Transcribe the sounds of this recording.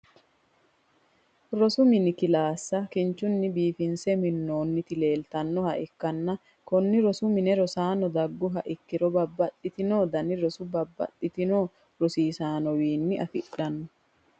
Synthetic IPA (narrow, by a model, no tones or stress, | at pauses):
ɾɔsʊmɪnɪkɪlaːsːɐkɪnt͡ʃːʊnːɪbiːfɪnsɛmɪnːo̞ːnːɪt̪ɪle̞ːlt̪ɐnːɔhɐʔɪkːɐnːɐ | kɔnːɪɾɔsʊmɪnɛɾɔsaːnɔd̪ɐɡːʊɦɐʔɪkːɪɾɔbɐbːɐt̪ʼːɪt̪ɪnoːd̪ɐnɪɾɔsʊbɐbːɐ̰t̪ʼːɪt̪ɪnoː | ɾɔsiːsaːnɔwiːnːɪʔɐfɪᶑɐnːɔ